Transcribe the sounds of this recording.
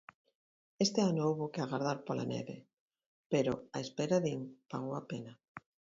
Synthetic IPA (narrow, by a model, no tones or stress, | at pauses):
est̪eanoowβokeaɣaɾðaɾpola̰nḛβe | peɾoaespeɾaðiŋpaɣowapena